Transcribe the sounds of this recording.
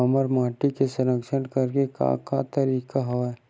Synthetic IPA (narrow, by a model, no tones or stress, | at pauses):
ɐməɾmaːʈikesəɾəkʃəɽkɐɾkeka̰kat̪ɐɾiːkaɦoɛ